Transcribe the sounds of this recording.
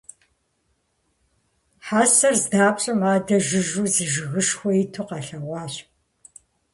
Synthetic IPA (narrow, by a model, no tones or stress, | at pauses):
ħaːsɐrzdaːpʼɕʼɐmaːdɐʒɨʒuːzɨʒɨɣɨʂxʷɔjitʰuqɑɬɐwʷɑːɕ